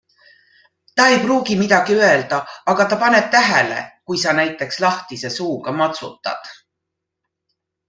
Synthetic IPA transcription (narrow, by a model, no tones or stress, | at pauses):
t̪ɑe̞jpruːɡimid̪̥ɑɡ̥iøe̞ld̪̥ɑɑɡ̥ɑt̪ɑpɑne̞t̪̚ːæɦele̞̰kujsɑnæjt̪ˑːe̞kslɑht̪ise̞suːɡ̥ɑmɑt̪sṵt̪ːˑɑ̰d̪̥